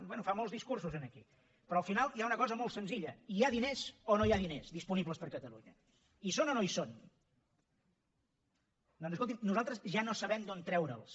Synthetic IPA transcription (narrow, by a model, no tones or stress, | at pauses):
bwɛnufamolˠzðiskursuzənəkḭ | pɾɔəlˠfinalˠjaunəkɔzəmolˠt̪sənziʎəiaðinezonoiaðinezðispuniβləspəɾkət̪əlṵɲə | isonɔnoison | d̪ɔnzskolˠt̪imnuzalˠt̪ɾəzʒanosəβɛmd̪ont̪ɾɛwɾə̰lˠs